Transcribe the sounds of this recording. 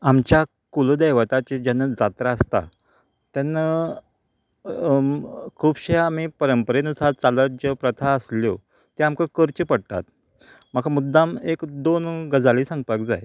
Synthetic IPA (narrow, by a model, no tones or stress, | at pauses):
amt͡ɕja | kuləd̪eʋət̪at͡ɕed͡ʑanːəd͡zat̪ɾaəst̪a̰ | t̪janːə | kʰuːbɕeaːm̤ipəɾəmpəɾenusaɾt͡saləd͡ʑəpɾət̪ʰaəsljo | t̪eamkəkəɾt͡ɕəpəɽt̪a̰t̪̚ | makʰamud̪ːamekd̪onɡəd͡zaliːsə̃ŋɡ̚pakd͡za̰j